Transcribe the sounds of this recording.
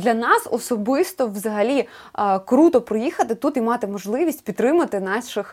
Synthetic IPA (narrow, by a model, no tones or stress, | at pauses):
d̪lʲɐnɑsɔ̰sɔbɪst̪ɔʋzɐɦɐlʲi | kɾut̪ɔpɾɔjixɐt̪ɪt̪ut̪imɑt̪ɪmɔʒlˠɪʋʲisʲtʲpʲit̪ːɾɪmɐt̪ɪnɑʃɪx